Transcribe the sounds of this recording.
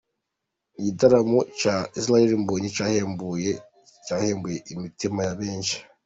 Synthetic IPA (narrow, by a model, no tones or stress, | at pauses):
iɟitaɾamocaːis̬laheɾimbuːɲicaːheːmbuje | caːheːmbujeʔimitimajaβeːnʃi̥